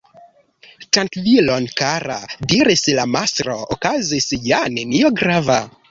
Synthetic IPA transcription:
tantvilonkaɾa̰diɾislamasɾookazisjane̞nioɡɾava

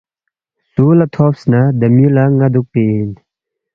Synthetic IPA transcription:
suːlɐt̪ʰoːpsnad̪ɐmilaŋɐd̪uk̚pen

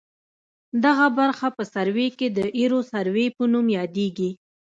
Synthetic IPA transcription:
d̪aɣabaɾxapəsaɾweked̪əʔiɾosaɾwepənumjɑd̪eɡi

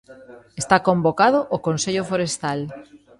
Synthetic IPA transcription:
est̪akombokað̞oʔokonseʎofoɾest̪al

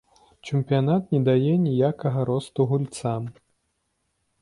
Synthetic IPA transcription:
t͡ʂɛmpʲijanat̪nʲɛd̪ajɛnʲijakɐɣɐɾɔst̪uɣulʲt̪sam

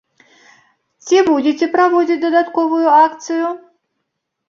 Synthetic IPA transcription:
t͡sʲibud͡zʲet͡sʲɛpɾavɔd͡zʲit͡sʲd̪ɐd̪at̪kɔvʊjʊakt̪sɨju

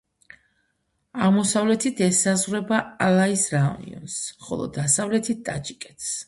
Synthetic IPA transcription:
aʁmɔsavlɛt̪ʰit̪ʰɛsazʁwɾɛbaalˠaisɾaṵnḭɔ̰nsχɔ̰lˠɔ̰d̪asavlɛt̪ʰit̪̚t̪ʼat͡ʃʼikʼɛt̪ʰs

